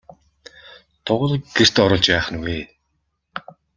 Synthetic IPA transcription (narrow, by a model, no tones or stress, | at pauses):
t̪ʰʊʁə̆ɮ̆ɡ̥er̥t̪ɔɾə̆ɮt͡ɕpæːχə̆nweː